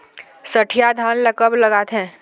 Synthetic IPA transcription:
sɐʈʰijad̪ʱaːnlɐkəblɐɡaːt̪ɦɛ̃ː

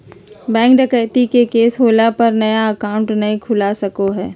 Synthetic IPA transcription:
bɛ̃ːŋkɖəkəːt̪ikekeːsɦoːlapɐɾnɐjaɐkaːʊ̃ɳʈnɐĩkʰʊlasɐkoɦɛː

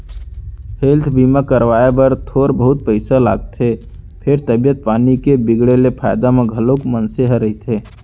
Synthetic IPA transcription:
pʰeːlt̪ʰbiːmakəɾʋaːebəɾt̪ʰoːɾbəɦʊt̪̚pəɪsala̰ːɡ̚t̪ʰe | pʰɪɾt̪əbijət̪̚paːnikebɪɡɽelepʰa̰ːjd̪amẽɡʱəloːkmənseɦəɾəɦit̪ʰeː

